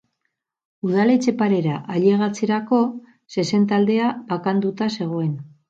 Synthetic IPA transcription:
uð̞alet͡se̞paɾe̞ɾaʔaʎe̞ɣat͡seɾako̞ | se̞se̞nt̪ald̪e̞abakand̪ut̪ase̞ɣ̞o̞e̞n

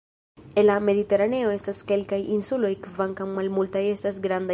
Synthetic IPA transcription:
elameðit̪eɾaneoest̪askelkajʔinsulojkvaŋkaŋmalmult̪ajest̪asɡɾand̪a

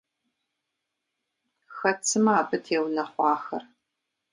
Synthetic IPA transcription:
xɐt͡sʰɨmaːbɨtʰeːwnɐχʷɑːxɐr

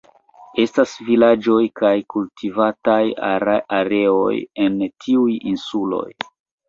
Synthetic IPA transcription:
e̞stasvilad͡ʒo̞jkajkultʰivatajaɾaɾe̞o̞̰je̞ntʰiujinsulo̞̰j

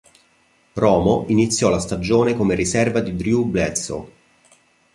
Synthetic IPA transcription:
rɔːmoʔinit̪sːjɔlast̪ad͡ʒoːnekomerisɛrvad̪id̪ɾjublɛt̪so̰

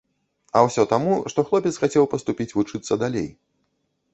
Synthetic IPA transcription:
ɐwsʲɔt̪amuʂt̪ɔxlˠɔpʲɛt̪sxat͡sʲɛwpɐst̪upʲit͡sʲvut͡ʂɨt̪sːɐd̪alʲḛj

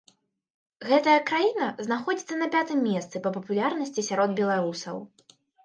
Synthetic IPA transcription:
ɣɛt̪ɐjɐkɾajinɐznaxɔd͡zʲit̪sːɐnɐpʲat̪ɨmːʲɛst̪sɨpɐpɐpulʲarnɐsʲt͡sʲisʲaɾɔd̪bʲɛlˠaɾusɐw

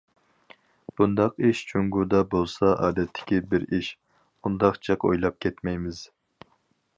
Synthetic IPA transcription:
b̥und̪ɑqiʃt͡ʃʰuŋɡud̪ɑbolˠsɑʔɑːd̪ɛt̪ʰːɪ̥kʲibɪɾiʃ | und̪ɑχt͡ʃʰɛqo̰jlˠɑp̚kʲʰɛt̪mɛjmɪz̥

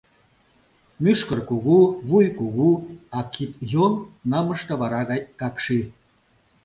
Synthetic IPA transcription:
myʃkərkuɣuβujkuɣuɑkit̪jonnɑmə̆ʃt̪ɤ̆βɑɾɑɣɑjkɑkʃi

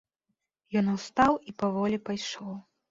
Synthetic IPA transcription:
jɔnuwst̪awipavɔlʲipajʂɔw

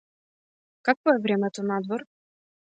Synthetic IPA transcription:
kakvɔɛvɾʲɛmʲɛt̪ɔnad̪vɔɾ

